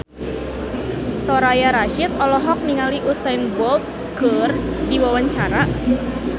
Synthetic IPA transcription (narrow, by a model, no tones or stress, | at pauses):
soɾajaɾaʃɪt̪̚ɔlɔɦɔk̚niŋaliʔusanbɔlt̪̚ | ɡərdiwawaɲt͡ʃaɾa